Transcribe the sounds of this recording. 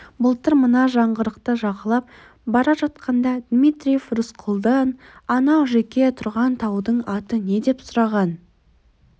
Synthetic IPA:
bʊlˠt̪ʰəɾmənɑʒɑɴʁəɾəqt̪əʒɑqəlˠɑp̚ | bɑɾɑʒɑt̪̚qʰɑnd̪ɑd̪mʲijt̪ɾʲije̞frʊsqʰʊlˠd̪ɑn | ɑnɑwʒekʲe̞t̪ʰʊɾʁɑnt̪ʰɑwd̪əɴɑt̪əne̞d̪e̞psʊɾɑʁɑn

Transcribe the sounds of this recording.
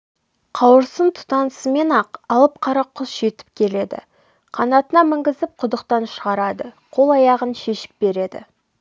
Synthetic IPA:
qʰɑwəɾsənt̪ʰʊ̥t̪ɑnsəme̞nɑqɑlˠəp̚qʰɑɾɑqʰːʊsʒ̥e̞t̪ɪ̥p̚kʲʰe̞le̞d̪ɪ̰ | qʰɑnɑt̪ənɑmɪŋɡʲɪzɪp̚qʰʊd̪əqt̪ɑnʃəʁɑɾɑd̪əqʰo̞lˠɑjɑʁənʃe̞ʃɪ̥p̚be̞ɾe̞d̪ɪ̰

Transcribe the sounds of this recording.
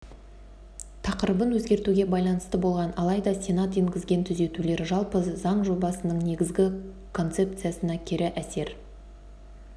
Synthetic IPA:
t̪ʰɑqəɾəbənwɵzɡʲe̞ɾt̪uɡʲe̞bɑjlˠɑnəst̪əbo̞lˠʁɑnɑlˠɑjd̪ɑsʲe̞nat̪eŋɡʲɪzɡʲe̞nt̪ʰʏze̞t̪ule̞ɾʒɑlˠpəzɑɴʒo̞bɑsənəɴne̞ɡʲɪzɡʲɪ | kʰo̞nt̪se̞p̚t̪sɨjasənɑkʲʰɪɾɪʔæse̞ɾ

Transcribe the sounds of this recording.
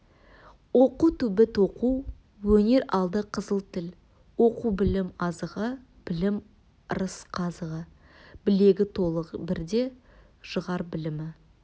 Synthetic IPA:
woquwt̪ʰʏbɪt̪oqu | wɵne̞ɾɑlˠd̪əqʰəzəlˠt̪ʰɪl | wo̞qubɪlɪmɑzəʁə | b̥ɪlɪm | ɾəsqʰɑzəʁə | b̥ɪle̞ɡʲɪt̪ʰo̞lˠəʁbɪɾd̪e̞ | ʒəʁɑɾbɪlɪmɪ

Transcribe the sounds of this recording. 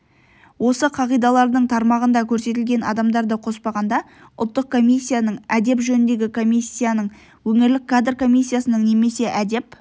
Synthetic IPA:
wo̞səqʰɑʁijd̪ɑlˠɑɾd̪əɴt̪ʰɑɾmɑʁənd̪ɑkʲʰɵɾse̞t̪̬ɪlɡʲe̞nɑ̰d̪ɑmd̪ɑɾd̪əqʰo̞spɑʁɑnd̪ɑ | ʊ̰lˠt̪ːəq̚kʰo̞mʲijsʲːijanəɴæd̪e̞pʒɵnɪnd̪e̞ɡʲɪkʰo̞mʲijsʲːijanəɴ | wɵŋɪɾlɪk̚ʰːad̪rko̞mijsʲːijasənəɴne̞me̞se̞ʔæd̪e̞p

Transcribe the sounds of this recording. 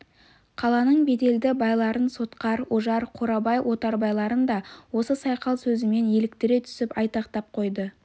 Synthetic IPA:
qʰɑlˠɑnəɴbe̞d̪e̞ld̪ɪbɑjlˠɑɾənso̞t̪qɑɾwoʒɑɾqʰo̞ɾɑbɑjwʔo̞t̪ɑɾbɑjlˠɑɾənd̪ɑwo̞səsɑjqɑlˠsɵzɪme̞nje̞lɪk̚t̪ɪɾe̞t̪ʰʏ̥sɪpɑjt̪ɑqt̪ɑp̚qʰo̞jd̪ə

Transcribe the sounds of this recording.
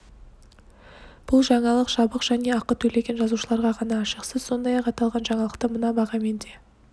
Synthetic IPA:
b̥ʊlˠʒɑɴɑlˠəqʒɑbəqʒ̥æne̞ɑqət̪ʰɵle̞ɡʲe̞nʒɑzuʃəlˠɑɾʁɑʁɑnɑːʃəqsəz̥so̞nd̪ɑjɑqɑt̪ɑlˠʁɑnʒɑɴɑlˠəqt̪əmənɑbɑʁɑme̞nd̪e̞

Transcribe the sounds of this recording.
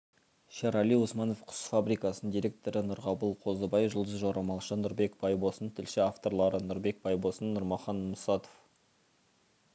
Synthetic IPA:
ʃɑɾɑlijwosmɑno̞fqʰʊ̥sfabɾikɑsənd̪iɾʲe̞k̚t̪o̞ɾənʊɾʁɑbəlˠqʰo̞zəbɑjʒəlˠd̪əzʒoɾɑmɑlˠʃənʊɾbe̞kb̥ɑjbo̞sənt̪ʰɪlʃɪaft̪o̞ɾlˠɑɾənʊɾbe̞k̚bɑjbo̞sənːʊɾmɑχɑnmʊsɑt̪of

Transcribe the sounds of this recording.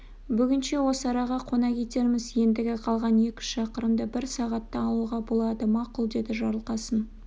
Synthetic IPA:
bʏɡʲɪnʃe̞wo̞səɑɾɑʁɑqʰo̞nɑkʲʰe̞t̪e̞ɾmɪzje̞nd̪ɪɡʲɪqʰɑlˠʁɑne̞kʲɪ̥ʃɑqəɾəmd̪əbɪɾsɑʁɑt̪ːɑɑlˠuʁɑbo̞lˠɑd̪əmɑqʊlˠd̪e̞d̪ɪʒɑɾəlˠqɑsən

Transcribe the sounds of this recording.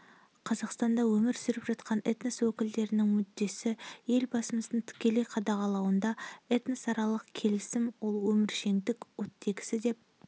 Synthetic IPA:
qʰɑzɑqst̪ɑnd̪ɑwɵmɪɾsʏɾɪpʒɑt̪qʰɑnet̪nəswɵkʲɪld̪e̞ɾɪnɪŋmʏd̪ːe̞sɪje̞lbɑsəməsənəɴt̪ʰɪ̥kʲe̞lejqʰɑd̪ɑʁɑlˠɑwənd̪ɑet̪nəsɑɾɑlˠəqkʲʰe̞lɪsɪmwo̞lˠwɵmɪɾʃe̞ŋd̪ɪkʲwot̪ʰːe̞ɡʲɪ̥sɪd̪e̞p̚

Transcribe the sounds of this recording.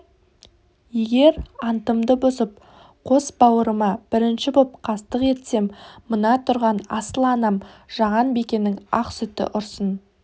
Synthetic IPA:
je̞ɡʲe̞ɾɑnt̪əmd̪əbʊsəp̚ | qʰo̞sbɑwəɾəmɑb̥ɪɾɪnʃɪbop̚qʰɑst̪əqe̞t̪se̞mːənɑt̪ʰʊɾʁɑnɑsəlˠɑnɑmʒ̥ɑʁɑnbekʲe̞nɪŋɑqsʏt̪ɪ̰ʔʊɾsən

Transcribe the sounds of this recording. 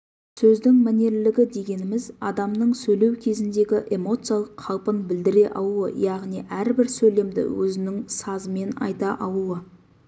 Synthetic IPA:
sɵzd̪ɪŋmæne̞ɾlɪɡʲɪd̪e̞ɡʲe̞nɪmɪzɑd̪ɑmnəɴsɵjle̞wkʲʰe̞zɪnd̪e̞ɡʲɪʔe̞mo̞t̪sɨijalˠəqʰːɑlˠpənbɪld̪ɪɾe̞ʔɑlˠuə̰jɑʁnijʔæɾbɪɾsɵjle̞md̪ɪ̰wɵzɪnɪŋsɑzəme̞nɑ̰jt̪ɑʔɑlˠuə

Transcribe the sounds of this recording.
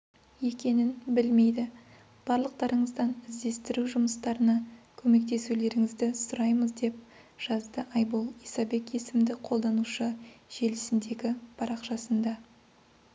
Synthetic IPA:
je̞kʲe̞nɪnbɪlme̞jd̪ɪ | b̥ɑɾlˠəq̚t̪ɑɾəɴəzd̪ɑnɪzd̪e̞st̪ɪɾuʒʊməst̪ɑɾənɑkʲʰɵme̞k̚t̪e̞sule̞ɾɪŋɪzd̪ɪsʊɾɑjməzd̪e̞p̚ | ʒ̥ɑzd̪əʔɑjbolˠijsɑbe̞kʲje̞sɪmd̪ɪqʰo̞lˠd̪ɑnuʃəʒ̥e̞lɪsɪnd̪e̞ɡʲɪpʰɑɾɑqʃɑsənd̪ɑ

